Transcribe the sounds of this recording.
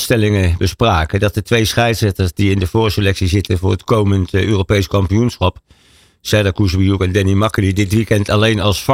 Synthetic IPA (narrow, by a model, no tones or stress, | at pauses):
stɛlɪŋəbəspraːkədɑt̚ətʋejsχɛjtsɛtəɹsdiɪndəv̥oːrsəlɛksizɪtənvʊːrətkowməntøːrowpejskɑmpijunsχɑp | sɛdəkusəʋijukɛndɛnimɑkəlidɪtʋikɛntɑlejnɑlˠsf